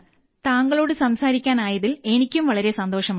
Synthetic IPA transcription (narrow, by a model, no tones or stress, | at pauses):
t̪aːŋɡɐɭo̞ːɽɨsɐmsaːɾikʲːaːnaːjɐðile̞nikʲːumʋɐɭɐɾe̞sɐnd̪o̞ːʂɐm